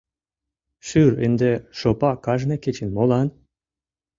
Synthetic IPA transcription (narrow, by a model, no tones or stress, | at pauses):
ʃyɾḛnd̪eʃopɑkɑʒneket͡ɕinmolˠɑn